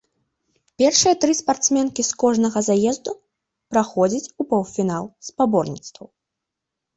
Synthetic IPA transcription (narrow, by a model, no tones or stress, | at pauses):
pʲɛrʂɨjɐt̪ɾɨspart̪smʲɛnkʲiskɔʐnɐɣɐzajɛzd̪u | pɾaxɔd͡zʲɐt͡sʲupɔwfʲinalˠspabɔrnʲḭt̪st̪vɐw